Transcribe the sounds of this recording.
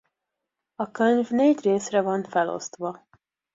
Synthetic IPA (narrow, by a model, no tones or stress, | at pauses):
ɒkøɲvneːɟreːsrɛvɒnfɛlo̞̰st̪ʋɒ